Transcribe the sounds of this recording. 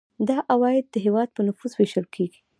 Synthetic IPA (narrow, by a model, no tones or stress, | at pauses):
d̪ɑʔawɑjɪd̪̚ːəɦewɑd̪̚pənʊfuzweʃəlkʰeɡi̥